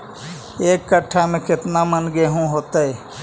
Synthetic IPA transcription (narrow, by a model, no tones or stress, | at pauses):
eːkːəʈʰːamẽkɪt̪namənɡeɦũɦoːt̪əɛ